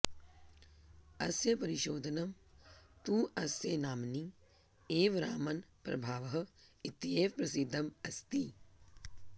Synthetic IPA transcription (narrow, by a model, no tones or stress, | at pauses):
ɐsjɐpɐɾiʃoːd̪ʱɐnɐmt̪uːʔɐsjenaːmni | eːʋɾaːmɐnpɾɐ̰bʱaːʋɐɦɐ̆it̪jeːpɾɐsid̪ʱːɐmɐst̪i